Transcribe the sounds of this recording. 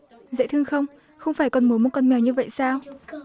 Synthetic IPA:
zə̰˧˥jt̪ʰɨ˧əŋxə˧wŋ͡m | xə˧wŋ͡mfaː˧˩jkɔ˨˩nmu˨˦mo˨˩t̚kɔ˧˩nmɛ˨˩wɲɨ˧və̰˧˨jsaː˧w

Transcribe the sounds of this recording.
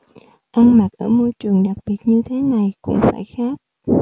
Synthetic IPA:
ʔa˧nma˨˩t̚ʔəː˧˩mo˧jt͡ɕɨ˨˩əŋɗa˨˩k̚ɓi˨˩ət̚ɲɨ˧t̪ʰe˨˦na˨˩jkʊ̰˧˥ŋ͡mfaː˧˩jxaː˦˥k̚

